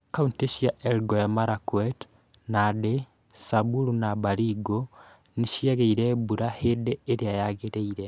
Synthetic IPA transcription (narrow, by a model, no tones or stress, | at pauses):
kauntesjaʔɛlɡojamaɾakwɛt | nade | sabuɾunabaɾiɡo | neʃjaɣeiɾɛbuɾahedeeɾeajaɣeɾeiɾɛ